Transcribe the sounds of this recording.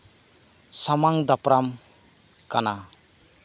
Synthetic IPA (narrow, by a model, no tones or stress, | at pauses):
samaŋd̪apɾam | kana